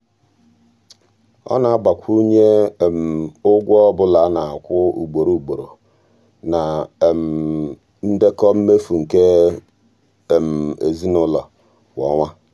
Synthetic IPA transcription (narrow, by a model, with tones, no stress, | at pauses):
ɔ̰˦na˨a˦ba˨kʷu˦ɲe˦˨m̩˨ʊ˦ɡʷɔ˦bʊ˦la˨˦na˨a˨kʷʊ˦ṵ˨ɡ͡bo˨ɾu˨u˨ɡ͡bo˨ɾo˨ | na˨m̩˨ | n̩˦de˦kɔ˦m̩˦me˦fu˨ŋ̩˨ke˦˨ | m̩˨ḛ˨zi˦nʊ˦lɔ˨ | wɔ̰˨˦ŋʷa˦